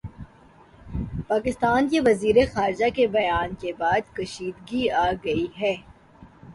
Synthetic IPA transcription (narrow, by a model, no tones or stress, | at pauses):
paːkɪst̪aːnkeʋɐziːɾexaːɾɪd͡ʒakebɐjaːnkebaːd̪kɐʃiːd̪ɡiaːɡɐiɦɛː